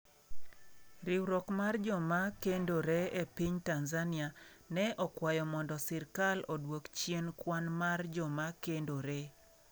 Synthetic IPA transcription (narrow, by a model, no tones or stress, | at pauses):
ɾɪwɾokmard͡ʒɔmakendoɾeepiɲtanzania | nɛʔɔkwajɔmɔndɔsɪrkalodwokt͡ʃjenkwanmard͡ʒɔmakendoɾe